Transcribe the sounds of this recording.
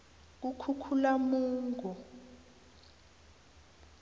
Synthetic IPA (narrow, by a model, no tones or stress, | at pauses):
k̬ukʰukʰulamuːŋɡʱɔ